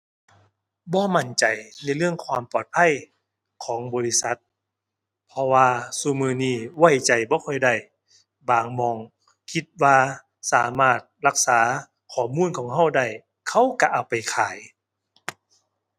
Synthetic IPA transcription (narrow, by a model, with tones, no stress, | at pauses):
bɔː˧˦ma˧˩˨nt͡ɕa˨jna˧˥˨jlɯ˥˩˨əŋkʰwaː˧˩mpɔː˨˩t̪̚pʰa˧˥˨j | kʰɔː˨˦ŋbɔː˨˦li˧˩sa˧˦t̪̚ | pʰɔ˧waː˧suː˧mɯː˧niː˧˩wa˧˩jt͡ɕa˨˩jbɔː˧˦kʰɔ˧˩jda˧˩j | baː˨˩ŋmɔː˧˩ŋ | kʰi˧˦t̪̚waː˧ | saː˨˦maː˧˩t̪̚la˧k̚saː˨˦ | kʰɔː˨˩muː˧˥˨nkʰɔː˨˦ŋɦa˧˥˨wda˧˩j | kʰa˧˥˨wka˧ʔaː˨˩wpa˨˩jkʰaː˨˦j